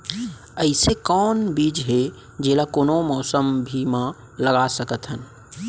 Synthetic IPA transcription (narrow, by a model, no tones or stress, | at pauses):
əɪsekɔːnbiːd͡ʒɦe | d͡ʒelakoːnomɔːsəmbʱimã | ləɡasəkət̪ɦənɪ̆